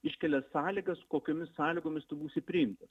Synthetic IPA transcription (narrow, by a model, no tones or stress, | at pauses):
ɪʃʲkʲɛlʲɛssɑːlʲiːɡɐskoːkʲoːmʲɪssɑːlʲiːɡoːmʲɪst̪ʊbuːsʲɪpʲɾʲɪɪmt̪ɐs